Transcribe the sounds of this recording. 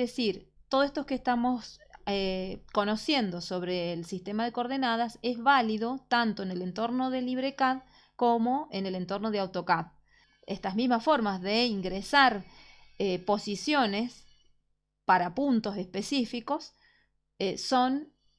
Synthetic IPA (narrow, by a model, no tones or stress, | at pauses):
ðesiɾt̪oðest̪okeːst̪amo̞seko̞nosje̞nd̪o̞so̞βɾeːlsist̪emaðe̞ko̞ɾð̞enað̞asezβaliðo̞t̪ant̪o̞enelent̪o̞ɾnoðeliβɾekað | komo̞enele̞nt̪o̞ɾnoð̞eawt̪o̞kað | est̪azmizmasfo̞ɾmazðeiŋɡɾesaɾepo̞sisjo̞nes | paɾapunt̪o̞sespesifiko̞s | eːo̞n